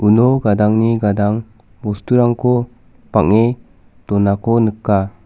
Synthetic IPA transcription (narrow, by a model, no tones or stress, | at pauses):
unoɡadaŋniɡadaŋ | bɔstuɾaŋkʰo | paŋe | tɔnakonɯkːa